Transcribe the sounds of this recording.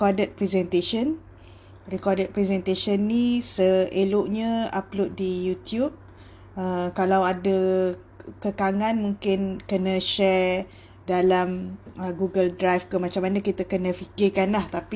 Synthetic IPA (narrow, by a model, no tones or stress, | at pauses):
kɔdət̪̚pɾɛzɛnt̪eʃən | rikɔdət̪̚pɾɛsɛnt̪eʃənːisəeloʔɲə̃a̰plot̪̚dijut̪jub̚ | əkalawadə | kəkaŋanmũŋkɪnkənə̃ʃɛr | dalaməɡuɡəldɾajfkəmat͡ʃamːanãkit̪akənə̃fikɪkanlaht̪api